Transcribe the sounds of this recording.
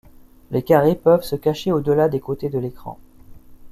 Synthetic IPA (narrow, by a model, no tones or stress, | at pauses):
lekaʁepœvsəkaʃeod̪əlad̪ekot̪ed̪əlekχɑ̰̃